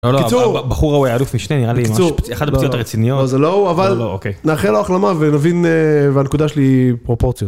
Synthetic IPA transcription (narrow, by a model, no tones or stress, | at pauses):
olkit͡suʁbaχuʁaujaːlufmiʃneniʁalikimamaauʁpeχad̪apt͡siotaʁet͡sinijolozelo̞uavallookejnaːχeloaχlamavenavinvanekud̪aʃelipʁo̞po̞ʁt͡sjot